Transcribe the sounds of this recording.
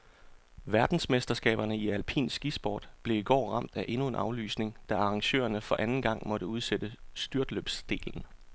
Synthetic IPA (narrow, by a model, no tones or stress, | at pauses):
ʋæɐd̥n̩smesd̥ɐsɡ̥ɛ̰ːb̥ɐnəiælpʰḭːnsɡ̥isb̥ɒ̰ːd̥b̥le̝iɡ̥ɒ̰ːʁɑ̈m̰d̥æʔe̝nue̝nʔɑ̈ʊly̰ːsne̝ŋd̥æɑ̈ʁɑ̈ŋɕø̰ːɐnəfɒ̽ʔænn̩ɡ̥ɑ̈ŋ̰mɒ̽ɾ̥əuð̞ˠsed̥əsd̥yɐd̥lø̰b̥sd̥e̝̰ːln̩